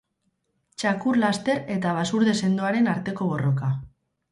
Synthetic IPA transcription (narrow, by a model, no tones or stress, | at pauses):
t͡ʃakuɾlast̪e̞ɾe̞t̪aβ̞asuɾðe̞se̞nd̪oaɾe̞naɾt̪e̞ko̞βo̞ro̞ka